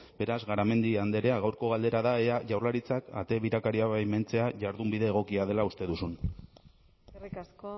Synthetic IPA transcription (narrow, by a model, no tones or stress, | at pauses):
b̥e̞ɾazɣaɾame̞nd̪iand̪e̞ɾe̞aɣawɾko̞ɣald̪e̞ɾaðaeaʝawɾlaɾit͡saka̰t̪e̞βiɾakaɾiaβajment͡se̞aʝaɾðumbiðe̞ːɣ̞o̞kiað̞e̞laust̪e̞ðusun | rkas